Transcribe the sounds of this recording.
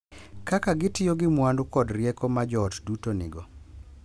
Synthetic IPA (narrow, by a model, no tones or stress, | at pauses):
kakaɡɪtɪjoɡɪmwandʊkɔdrjɛkɔmad͡ʒɔtdutonɪ̰ɡɔ